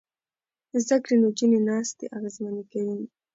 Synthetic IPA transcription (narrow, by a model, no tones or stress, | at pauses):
zd̪akɽinod͡ʒinenɑːst̪ḛʔaɣezmanekawin